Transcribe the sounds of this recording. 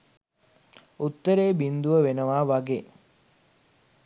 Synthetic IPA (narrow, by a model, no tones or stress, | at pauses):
ut̪ːəɾeːbind̪uʋəʋenəʋaːʋaɡeː